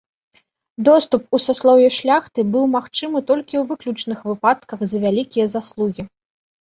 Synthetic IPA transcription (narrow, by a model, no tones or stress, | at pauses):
d̪ɔst̪upusaslˠɔvʲɛʂlʲaxt̪ɨbɨwmaxt͡ʂɨmɨt̪ɔlʲkʲiwvɨklʲut͡ʂnɨxvɨpat̪kɐxzɐvʲalʲikʲijɐzaslˠuɣʲi